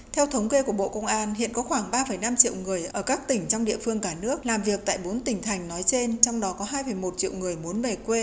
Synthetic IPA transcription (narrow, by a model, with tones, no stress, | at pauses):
t̪ʰɛ˧wt̪ʰə˨˦wŋ͡mke˧ku˧˩əɓo̰˧˨kə˧wŋ͡mʔaː˧nɦḭ˧˨ənkɔ˨˦xwaː˧˩ŋɓaː˧fə˧˩jna˧mt͡ɕḭ˧˨wŋɨ˨˩əjʔəː˧˩kaː˦˥k̚t̪ï˧˩ŋ̟t͡ɕɔ˧wŋ͡mɗḭ˧˨əfɨ˧əŋkaː˧˩nɨ˦˥ək̚laː˨˩mvi˨˩ək̚t̪a̰ː˧˨jɓo˨˦nt̪ï˧˩ŋ̟t̪ʰa˨˩jŋ̟nɔ˨˦jt͡ɕe˧nt͡ɕɔ˧wŋ͡mɗɔ˨˦kɔ˨˦ɦaː˧jfə˨˩jmo˨˩t̚t͡ɕḭ˧˨əwŋɨ˨˩əjmu˨˦ənme˧˩kwe˧